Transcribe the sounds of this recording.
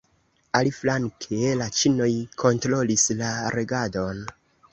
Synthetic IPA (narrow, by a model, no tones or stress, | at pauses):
aliflaŋkʰelat͡ʃino̞jkʰo̞ntɾo̞lislaɾeɡadon